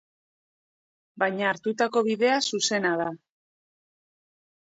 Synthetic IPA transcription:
bajɲaːɾt̪ut̪ako̞βiðe̞asuse̞naða

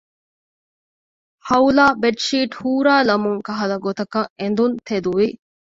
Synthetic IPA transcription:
hɐulaːbeʈʂiːʈhuːɾaːlɐmuŋkɐɦɐlɐɡot̪ɐkɐʔend̪unt̪ed̪uʋi

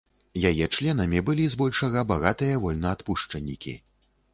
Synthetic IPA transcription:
jajɛt͡ʂlʲɛnɐmʲibɨlʲizbɔlʲʂɐɣɐbaɣat̪ɨjɐvɔlʲnɐːt̪puʂt͡ʂɐnʲːikʲḭ

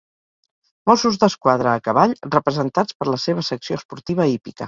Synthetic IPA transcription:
mɔsuzd̪əskwað̞ɾəːkəβaʎrəpɾəzənt̪at͡spəɾləseβ̞əsəksiospuɾt̪iβ̞əipikə

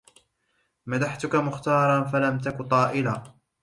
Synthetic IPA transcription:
mad̪aħt̪ʊkamʊxt̪ɑːɾˤɑnfalamt̪akʊt̪ˤɑːʔɪlaː

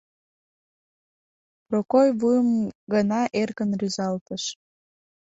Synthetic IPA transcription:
prokojβujəmɡənɑʔerɣənryzɑlt̪əʃ

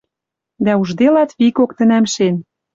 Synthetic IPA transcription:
d̪æuʒd̪elɑt̪βikokt̪ə̆næmʃen

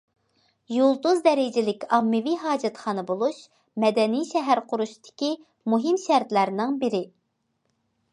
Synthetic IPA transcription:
julˠd̪uzd̪ɛɾɪd͡ʒɪlɪkʲɑmːɨviɦɑːd͡ʒɛt̪χɑːnɨbolˠuʃ | mɛd̪ɛnijʃɛɦæɾqʰʊɾuʃt̪ʰɪ̥kʲi | muɦimʃæɾt̪læɾnɪŋbɪɾɪ

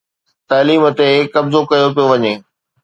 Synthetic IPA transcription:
t̪aːliːmə̆t̪ekɐbzokɐjop̬ijoʋɐɲeː

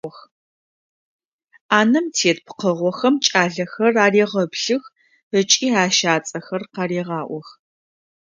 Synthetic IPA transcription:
ɔx | aːnɐmtʰeːtpqəʁʷɔxɐmt͡ʃʼaːɮɐxɐraːreːʁɐbɬɨx | ət͡ʃʼiːaːʃaːt͡sʼɐxɐrqɑɾeːʁɑːʔʷɔx

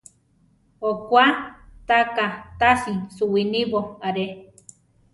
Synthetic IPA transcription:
okʷat̪akat̪asisuwiniβoaɾe

